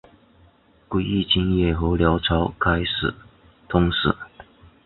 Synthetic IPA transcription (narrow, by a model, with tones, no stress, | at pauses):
kwi˧˩i˥˩t͡ɕi˥ŋjɛ˥˩xɤ˧˥ljɑ˧˥ʊʈ͡ʂʰɑ˧˥ʊkʰa˥ɪʂɻ̩̰˨˩˦ | t̪ʰʊ˥ŋʂ̩˨˩˦